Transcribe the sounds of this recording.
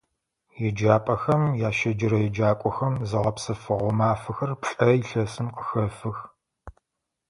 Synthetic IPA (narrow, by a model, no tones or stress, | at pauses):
jɛd͡ʒaːpʼɐxɐmjaːʃɐd͡ʒɪɾɐjɛd͡ʒaːkʷʼɔxɐmzɨʁɐpsɨfɨʁʷɔmaːfɨxɐrpɬʼɐiɬɐsɨmqəxɐfɨx